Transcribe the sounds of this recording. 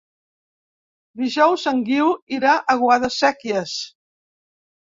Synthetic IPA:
d̪iʒɔwzəŋɡiwiɾaʔəɣwaðəsɛkjəs

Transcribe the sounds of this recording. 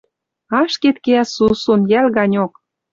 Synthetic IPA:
ɑʃket̪keæsusonjælɣɑnʲok

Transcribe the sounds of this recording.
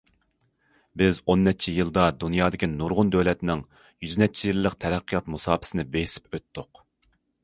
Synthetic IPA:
bɪzonːɛt͡ʃʰijɨlˠd̪ɑd̪unjɑːd̪ɪkʲinuɾʁʊnd̪øwlɛt̪nɪŋ | jyznɛt͡ʃʰijilˠːəqt̪ʰɛɾɛqːijɑt̪musɑːpʰɪ̥sɪnɪbejsɪ̥pøt̪ːʊq

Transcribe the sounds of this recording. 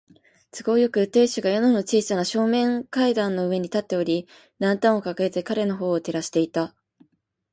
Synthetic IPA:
t͡sɨɡo̞ːjo̞kɯ̟t̪e̞ːɕɨɡajo̞nono̞t͡ɕiːsanaɕo̞ːmẽ̞ŋkaid̪ãnːo̞ɯ̟e̞ɲ̟it̪at̪ːe̞o̞ɾʲi | d̪ãnt̪ãɰ̃o̞kakaet̪e̞kaɾe̞no̞ɦo̞ːt̪e̞ɾaɕi̥t̪e̞it̪a

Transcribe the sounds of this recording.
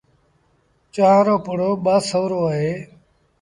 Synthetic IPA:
t͡ʃaːaːɾoːpʊɽoːɓaːsəʋɾoːaːɦeː

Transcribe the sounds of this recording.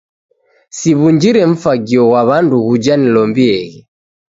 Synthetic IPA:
siβuɲd͡ʒiɾɛɱ̩faɡiɔwaβanduɣud͡ʒanilɔmbiɛɣi

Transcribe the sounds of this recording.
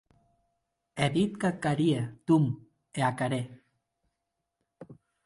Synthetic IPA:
eðit̪̚kakaɾiet̪um | eakaɾe

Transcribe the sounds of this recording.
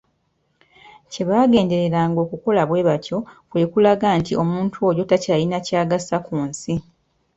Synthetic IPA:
ce̞βaːɡe̞ːnde̞ɾe̞ɾaːŋɡo̞ːkuko̞laβwe̞ːβatjo̞kwe̞kulaɡaːntiʔo̞muːntʰuo̞jo̞tacaːlinacaːɡasakuːnsi

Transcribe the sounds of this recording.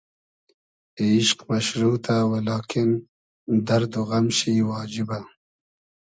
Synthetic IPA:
eːʃqmaʃɾuːt̪ʰawelɑːkʰin | d̪ɐɾd̪uɣamʃiwɑːd͡ʒiba

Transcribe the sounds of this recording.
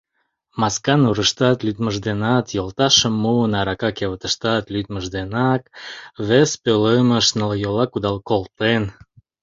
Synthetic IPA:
mɑskɑnuɾəʃt̪ɑt̪lʲyd̪mə̆ʒd̪enɑt̪jolˠt̪ɑʃə̆mːuənɑɾɑkɑkeβət̪ə̆ʃt̪ɑt̪lʲyt̪məʒd̪enɑkβespøləməʃnəljolɑkud̪ɑlˠkolˠt̪en

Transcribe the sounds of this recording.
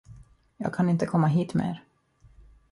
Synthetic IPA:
jɑ̰ːɡ̚kʰanɪnt̪əkʰɔmːaɦiːt̪mɛḛːɾ

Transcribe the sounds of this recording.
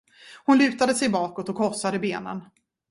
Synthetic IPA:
hʊnlʉ̟ːt̪ad̪əsɛjbɑːkɔt̪ɔkʰhɔʁsad̪əbeːnə̰n

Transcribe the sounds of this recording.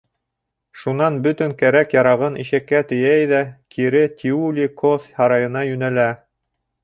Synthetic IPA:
ʃunɑnbɵt̪ɘŋkæɾækjɑɾɑʁɤnʔiʃækːæt̪ɘ̆jæjðækʰiɾɘt̪ʲʰiulʲikofʲhɑɾɑjɤ̆nɑjʉnælæ

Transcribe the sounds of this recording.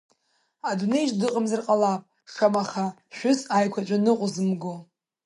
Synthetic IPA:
adune̞jʒdɨqʼamzɨrqʼalapʼ | ʂamaχa | ʃʷᶣʊzajkʷʰat͡ʃʷʼanɨqʷʼʊzɨmɡo

